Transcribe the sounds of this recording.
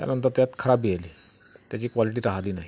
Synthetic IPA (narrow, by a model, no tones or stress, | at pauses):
t̪ja̰nənt̪əɾt̪jat̪kʰəɾabieliːt̪jat͡ɕiːkʋaliʈ̬iːɾaɦliːnaɦi